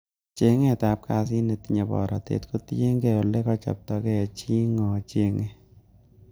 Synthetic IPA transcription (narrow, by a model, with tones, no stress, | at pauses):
t͡ʃe˨ŋe˦˨ta˨˦p̚kʰa˧s̬ɪ˦ne˨ti˦ɲa˨bɔ̰˨ɾa̰˨tḛ˦tko˦tje˦ŋɡe˦˨o˨le˦kɔ˦t͡ʃɔ̰˨p̚tɔ˨˧ɡe˦a˨t͡ʃi˦ŋɔ˨t͡ʃe˦ŋe˦